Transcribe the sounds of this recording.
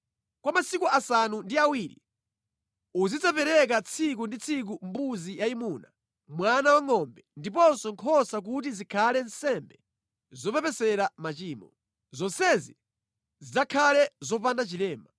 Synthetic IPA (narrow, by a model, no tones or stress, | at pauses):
kwamasikuasanundiawiːɾḭ | uzid͡zapɛɾɛk̬at͡sʰik̬undit͡sʰik̬umbuzijaimuːna | mwanawaŋɔmbɛndip̬ɔnsɔŋkʰɔsak̬ut̬izikʰalɛnsɛmbɛ | zɔpɛpɛsɛɾamat͡ʃiːmɔ | zɔnsɛzi | zid͡zakʰalɛzɔpandat͡ʃilɛːma